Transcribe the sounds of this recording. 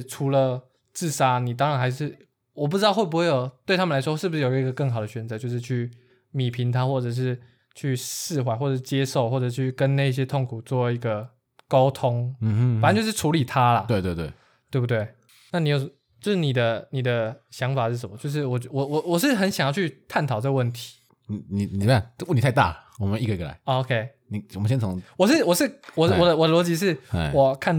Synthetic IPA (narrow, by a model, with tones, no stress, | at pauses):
ʈ͡ʂʰu˧˥lə˧ | t͡sɹ̩˥˩ʂa˥ni˨˩t̪ɑ˥˦ŋɻa˧˥nxa˧˥ɪʂɻ̩˥˩ | wɔ˨˩p̬ɻ̩˧˥ɑ˥˧ʊwe˥˩ɪpu˧xwe˥˩jo˨˩ʊt̪we˥˩ɪtʰa˥mə˨la˧˥ɪwɔ˥ʂɻ̩˥˩bu˧ʂɻ̩˥˩jɡə˧kə˥˩ŋxɑ˨˩d̪ə˩ɕɥɛ˧˥nt͡sɤ˧˦t͡ɕjo˥˧ʊʂɻ̩˥˧t͡ɕʰy˥˩ | mi˨˩pʰi˧˥nt̪ʰa˥xwɔ˥˩ʈ͡ʂɤ˨˩ʂ̬ɻ̩˥˧ | t͡ɕʰy˥˧sɻɹ̩˥˧xwa˧˩xwɔ˥˩ʈ͡ʂə˨˩ʂ̩˥˧t͡ɕjɛ˦˥ʂo˥˩ʊxwɔ˥˩ʈ͡ʂɤ˨˩˥t͡ɕʰy˥˩kə˦nna˥˧ɪ˧ɕ̬jɛ˥t̪ʰo˥˩ŋkʰu˨˩t͡swɔ˥˩i˧˥ɡə˨ | ka˥ʊt̪ʰo˥˦ŋə˨n˥nt͡ɕjʊʂ̩˥˩ʈ͡ʂʰu˧˦˥li˨˩t̪ʰa˦˥lɐ˨we˥˧ɪt̪we˥˧t̪wḛ˥˩ | t̪we˥˧pu˥˩t̪̬we˥˩ɪ | na˥˩ni˨˥jo˨˩ʊ˨ | t͡ɕjo˥˧ʊʂɻ̩˥˩ni˨˩d̪ə˦ni˨˩d̪ə˦ɕjɑ˧˦ŋfa˨˩ʂɻ̩˥˩ʂə˨˩mə˦˩t͡ɕjʊʂ̬ɻ̩˥˩wɔ˨˩t͡ɕwɔ˨˩wɔ˨˩wɔ˨˩ʂ̬ɻ̩˥˩xə˧˦nɕjŋjɑ˥˧ʊt͡ɕʰy˥˧t̪ʰa˥˩nt̪ʰɑ˨˩ʊʈ͡ʂə˥˧ɡə˧wə˥˩nt̪ʰi̥˨˧˦ | ni˨˩ni˨ni˨˩a˥˨˩wni˨˩a˥˧ɪt̪a̰˥˩wmə˦i˥˩ɡə˧i˥ɡə˨˩a̰˨˦ɪo˧˦kʰe˥ɪ | ni˨˩wmə˦ɕjɛ˥nt͡sʰɑ˧˦ŋwɔ˨˩ʂɻ̩˥˩wɔ˨˩ʂɻ̩˥˨wɔ˨˩wɔ˨˩d̪ə˦wɔ˨˩d̪ə˧lwɔ˧˥t͡ɕi˧˥ʂ̬ɻ̩˥˩wɔ˨˩kʰa˥˩n